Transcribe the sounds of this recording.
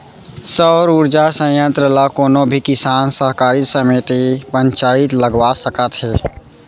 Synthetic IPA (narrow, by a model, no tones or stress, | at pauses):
səɾuɾd͡ʒasə̃jə̃nt̪ɾəlakoːnobʱikɪsaːnsəɦkaːɾisəmeːt̪ipə̃ɲt͡ʃaːɪt̪ləɡwasəkət̪ɦɛː